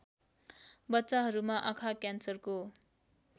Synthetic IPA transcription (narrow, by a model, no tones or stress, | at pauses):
bʌtːt͡saɦʌɾumaʔakʰakjansʌrko